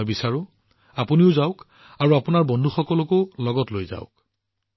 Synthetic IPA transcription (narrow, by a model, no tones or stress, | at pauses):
jbisaɹʊ̃ | apuniʊzaʊk | aɹuapʊnaɹbɔndʱuxɔkɔlɔkolɔɡɔtlojza̰ʊk